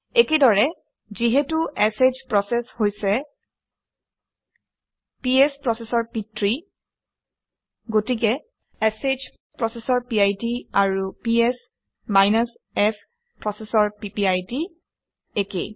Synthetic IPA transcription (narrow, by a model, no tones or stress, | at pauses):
ekedɔɹɛ | ziɦɛtuʔɛsezpɹɔsɛshojsɛ | piɛspɹɔsɛsɔɹpitɹi | ɡotik̬ɛ | esed͡ʒ | pɹɔsɛsɔɹpiajtiaɹupiɛs | majnas | ɛs | pɹɔsɛsɔɹpipiajdi | ekḛ